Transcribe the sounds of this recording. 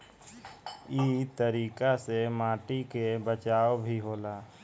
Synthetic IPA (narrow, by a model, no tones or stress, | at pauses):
iːt̪əɾiːkasemaːʈikebət͡ʃaːobʱiɦoːlaː